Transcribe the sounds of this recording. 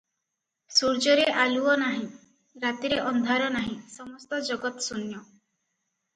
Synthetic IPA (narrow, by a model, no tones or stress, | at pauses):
suɾd͡ʒɔɾeʔaluɔnaɦĩ | ɾat̪iɾeʔɔnd̪ʱaɾɔnaɦĩsɔmɔst̪ɔd͡ʒɔɡɔt̪sunjɔ